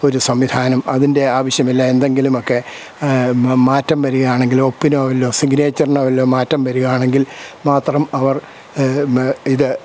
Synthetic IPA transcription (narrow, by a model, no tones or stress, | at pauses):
o̞ɾusɐmʋid̪ʱaːnɐmɐðinde̞aːʋɐɕjɐmilːɐe̞nd̪e̞ŋɡilumo̞kːe̞ | maːtːɐmʋɐɾuɣɐjaːɳe̞ŋɡilo̞pːinoʋɐlːo̞ːsiɡneːt͡ɕːɐrnɐʋɐlːo̞ːmaːtːɐmʋɐɾuɣaːɳe̞ŋɡilmaːt̪rɐmɐʋɐr | iðɨ